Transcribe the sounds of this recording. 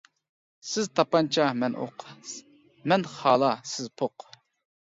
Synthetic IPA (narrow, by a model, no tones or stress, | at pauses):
sɪzt̪ʰɑpɑnt͡ʃʰɑmɛnʔo̰q | mɛnχɑːlˠɑsɪzpʰoq